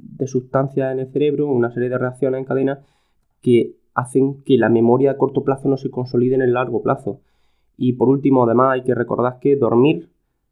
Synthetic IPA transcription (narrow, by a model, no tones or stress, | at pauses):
d̪e̞suht̪an̟θjase̞ne̞lθe̞ɾe̞βɾuunase̞ɾje̞ð̞e̞re̞akθjo̞neseŋkað̞e̞na | ke̞ | aθe̞ŋke̞lamẽ̞mo̞ɾjaːko̞ɾt̪o̞plaθono̞se̞ko̞nso̞liðene̞lːaɾɣ̞o̞plʔaθo | ipo̞ɾult̪imoaðe̞masajke̞re̞ko̞̰ɾð̞ake̞ðo̞̰ɾmiɾ